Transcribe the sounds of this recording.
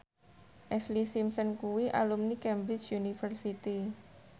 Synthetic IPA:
ʔɛslisimsənkuwiʔa̰lumnikɛmbɾɪt͡ʃjunifərsit̪i

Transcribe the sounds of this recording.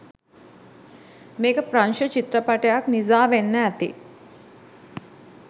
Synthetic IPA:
meːkɐpɾɐnʃɐt͡ʃit̪ɾɐpɐʈjaːknizaːʋenːɐɐt̪ḭ

